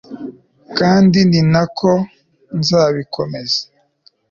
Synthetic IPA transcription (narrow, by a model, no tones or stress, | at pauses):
kaːndininakʰo | nzaːβikʰomezḁ